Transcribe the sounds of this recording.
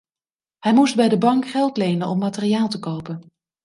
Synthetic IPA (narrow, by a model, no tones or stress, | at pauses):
hɛjmuzd̚bɛjdəbɑŋkχɛlˠtlejnənʔɔmːaːteriaːlˠtəkowpən